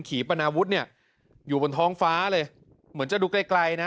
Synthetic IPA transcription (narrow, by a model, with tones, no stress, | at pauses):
nkʰiː˩˦pa˧naː˧wu˦˥t̪̚ni˥˩ə | juː˨˩bo˧nt̪ʰɔː˦˥ŋfaː˦˥lɤː˧j | mɯ˩˦ənt͡ɕa˨˩duː˧kla˧˩jkla˧jna˦˥